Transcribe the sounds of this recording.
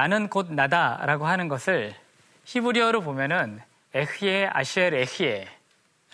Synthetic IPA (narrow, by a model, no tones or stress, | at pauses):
anɯnkod̚nadaɾaɡoɦanɯnɡʌsʰɯɭ | ɕʰibuɾiʌɾobomjʌnɯn | eɕʰiea̰ɕʰieɾeɕʰie